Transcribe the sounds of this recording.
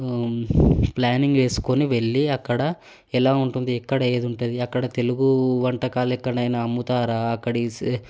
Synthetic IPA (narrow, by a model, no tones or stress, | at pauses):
plaːniŋɡʋe̞ːsu̥koniʋe̞ɭːiɐkːɐɽɐ | ɛlaːuɳʈund̪iɛkːɐɽɐe̞ːd̪uɳʈund̪iɐkːɐɽɐt̪e̞luɡuʋɐɳʈɐkaːluɛkːɐɽɐjnɐɐmːut̪aːɾaːɐkːɐɽi